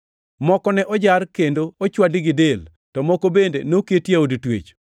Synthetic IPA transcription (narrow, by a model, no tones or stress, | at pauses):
mɔkɔnɛʔɔd͡ʒaɾkendoot͡ʃwadɪɡɪdel | tɔmɔkobendenokjetjaoditwḛt͡ʃ